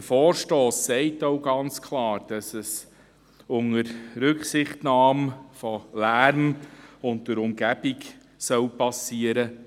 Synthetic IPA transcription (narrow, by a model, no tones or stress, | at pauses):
əfɔːɾʃtoːsːɛɪtoʊɡɑnt͡skʰlɑːɾd̥ɑsəs | ʊŋəɾɾɵksɪχtnɑːmfɔlæɾmʊntdəɾʊmɡ̥æb̥ik | sœwpɑsiːəɾə